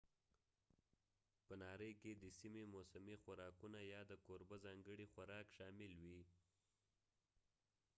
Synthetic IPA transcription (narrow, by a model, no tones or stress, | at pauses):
pənɑɾəjked̪əsimemosamixwaɾɑkunajɑd̪əkoɾbəzɑŋɡəɽixwaɾɑkʃɑmɪlwi